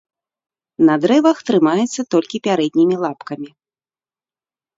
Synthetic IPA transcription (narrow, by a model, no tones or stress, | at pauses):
nɐd̪ɾɛvɐxt̪ɾɨmajɛt̪sːɐt̪ɔlʲkʲipʲaɾɛd̪̚ʲnʲimʲilˠapkɐmʲi